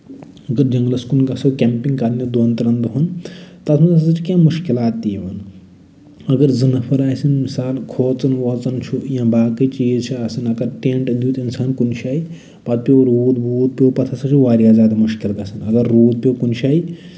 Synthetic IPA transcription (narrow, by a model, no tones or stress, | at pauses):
ɐɡɐɾd͡ʒɐŋɡlɐskunɡɐsoːkʲɐmpiŋɡkɐɾnid̪ont̪ɐɾɐnd̪uɦɐnt̪ɐt̪ʰmɐnɐst͡ʃʰikʲãːmuʃkilaːt̪ːiːʋɐn | ɐɡɐɾzɐnɐpʰɐɾaːjsɨnmisaːlkʰoːt͡sɐnʋɐt͡sɐnt͡ʃʰujãbaːkɨt͡ʃiːzt͡ʃʰiɐsɨnɐɡɐɾʈẽːɳʈɐd̪ʱjuːt̪insaːnkunʃʰʲaːi | pɐt̪̚pʲjoːɾuːd̪bʱuːt̪̚pʲjoːpɐt̪ʰɐsɐt͡ʃʰiʋaːɾijaːzʲaːd̪amuʃkilɡ̪ɐsɨnɐɡɐɾːuːd̪̚pʲjoːkunʃʰʲaːi